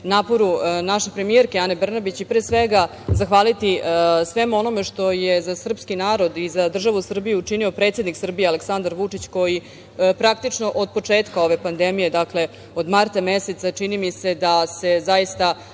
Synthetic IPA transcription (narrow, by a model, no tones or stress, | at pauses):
naːpo̞ɾunaʃe̞pɾemijeɾkeane̞br̩nabit͡ɕipɾeːsʋeɡa | zaxʋaːlit̪isʋe̞muo̞no̞me̞ʂt̪o̞jezasr̩pskinaːɾo̞d̪izad̪r̩ʒaʋusr̩bijuːt͡ʂinio̞pɾet̪sed̪niksr̩bijealeksand̪aɾʋut͡ʂit͡ɕko̞ji | pɾak̚t̪it͡ʂno̞ʔod̪̚po̞t͡ʂeːt̪kao̞ʋe̞pand̪emije̞d̪akle̞ | od̪maɾt̪ameset̪sat͡ʂinimise̞d̪ase̞zajist̪a